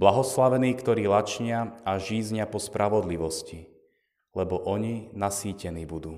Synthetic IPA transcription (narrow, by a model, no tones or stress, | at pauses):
blaɦɔslaʋɛniːkt̪ɔɾiːlat͡ʃɲɪaaʒiːzɲɪapɔspɾaʋɔd̪liʋɔsci | lɛbɔʔɔɲinasiːcɛniːbud̪uː